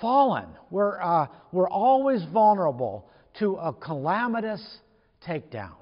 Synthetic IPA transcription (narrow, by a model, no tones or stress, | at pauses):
fɑlˠə̰̃nwə˞wə˞ʔɔlˠwizvʌlˠnə˞əbl̩ˠ | tʰəəkʰəlæməɾɨs | tʰeɪk̚d̥ã̰ʊ̃n